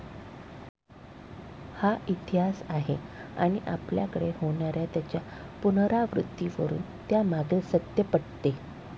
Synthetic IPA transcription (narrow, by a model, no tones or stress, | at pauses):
haʔit̪iɦasaɦea̰ɽ̃iʔa̰pljakəɽehoɳ̃aɾjat̪jat͡ɕjapunɾaʋɾṵt̪ːiʋəɾṵːn | t̪jamaɡelsət̪jəpəɽt̪e